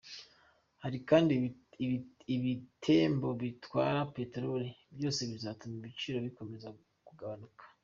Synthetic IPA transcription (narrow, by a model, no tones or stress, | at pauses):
haɾikaːndi | iβitʰe̞ːmbo̞βitwaːɾapetɾoɾebjo̞ːse̞βizatumiβit͡ʃiɾo̞βiko̞me̞za | kuɡaβanukʰḁ